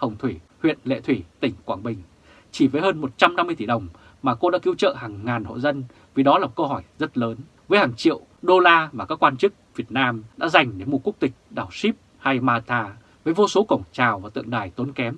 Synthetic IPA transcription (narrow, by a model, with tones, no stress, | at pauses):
hə˨˩wŋ͡mt̪ʰwi˧˩ | hwḭ˧˨ənlḛ˧˨t̪ʰwi˧˩t̪ï˧˩ŋ̟kwaː˧˩ŋɓï˨˩ŋ̟ | t͡ɕi˧˩vəː˨˦jɦəː˧nmo˨˩t̚t͡ɕa˧mna˧mɨ˧əjt̪i˧˩ɗə˨˩wŋ͡m | maː˨˩ko˧ɗa̰ː˧˥ki˨˦wt͡ɕə̰ː˧˨ɦaː˨˩ŋːaː˨˩nho̰˧˨zə˧n | vi˨˩ɗɔ˨˦laː˨˩mo˨˩kə˧wɦɔ˧˩jzə˦˥t̚ləː˨˦n | vəː˨˦jhaː˨˩ŋt͡ɕḭ˧˨əw | ɗo˧laː˧vaː˨˩kaː˦˥kːwaː˧nt͡ɕɨ˦˥k̚vi˨˩ət̚naː˧mɗa̰ː˧˥za˨˩jŋ̟ɗe˧˩mu˨˩ku˦˥ək̚t̪ï˨˩k̟̚ɗaː˨˩wsi˦˥p̚ | ha˧jmaː˧t̪ʰaː˧ | vəː˨˦jvo˧so˨˦kə˧˩wŋ͡mt͡ɕaː˨˩wvaː˨˩t̪ɨ̰˧˨əŋɗaː˨˩jt̪o˨˦nkɛ˨˦m